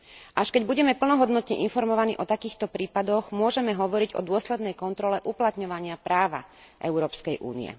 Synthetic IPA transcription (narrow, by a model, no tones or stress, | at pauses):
ʔaʃkɛɟbuɟɛmɛpl̩nɔɦɔd̪nɔt̪ɲɛʔinfɔɾmɔʋanḭːʔɔt̪akiːxt̪ɔpɾiːpad̪ɔɣmʊɔʒɛmɛɦɔʋɔɾiɟɔ̰d̪ʊɔslɛd̪nɛjkɔnt̪ɾɔlɛʔuplat̪ɲɔʋaɲɪapɾaːʋa̰ | ʔɛ̰ʊɾɔːpskɛjʔṵːnḭɛ̰